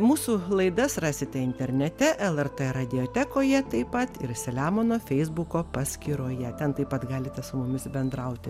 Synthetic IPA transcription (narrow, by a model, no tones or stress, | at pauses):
muːsulˠɐɪd̪ɐsrɑːsʲɪt̪ʲɛɪnʲt̪ʲɛɾʲnʲɛt̪ʲɛʔɛlˠɛrt̪ɛɾɐd̪ʲɪoːt̪ʲæːkoːjɛt̪ɐɪpɐt̪ɪɾsʲɛlʲæːmoːnoːfʲɛɪzbukoːpɑsʲkʲiːɾoːjɛt̪ʲɛnt̪ɐɪpɐt̪ɡɑːlʲɪt̪ʲɛsʊmʊmʲɪsbʲɛnd̪ɾɐʊt̪ʲɪ